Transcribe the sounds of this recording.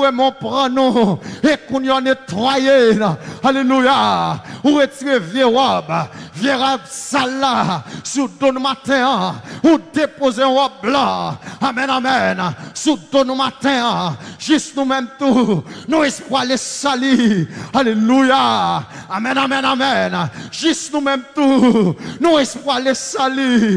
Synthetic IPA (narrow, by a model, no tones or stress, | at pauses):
emɔ̃pʁɑ̃nũekũnjɔ̃net̪ʁajealelujauʁetiʁevjeʁɔbvjeʁabsalːasud̪onũmat̪ɛ̃ãud̪epozeɔ̃ɔblɑ̃amɛ̃nãmɛnsud̪onũmat̪ɛ̃ãʒysnũmɛ̃mt̪unũɛspwalesalialeluja | amɛ̃nãmɛ̃namɛnʒysnũmɛ̃mt̪unũespwalesali